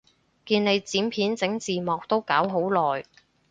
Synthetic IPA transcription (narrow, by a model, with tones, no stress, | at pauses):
kiː˧nne˨˧jt͡siː˨˥mpʰiː˨˥nt͡sɪ˨˥ŋt͡siː˨˩mɔː˨˩k̚t̪o˥wkaː˨˥wɦo˨˥wlɔː˨j